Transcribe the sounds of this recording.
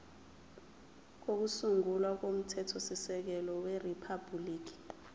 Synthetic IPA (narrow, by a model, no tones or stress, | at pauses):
k̬ok̬usuŋulwak̬om̩tʰɛtʰɔsisɛk̬ɛlɔweripʰabuliːk̬i̥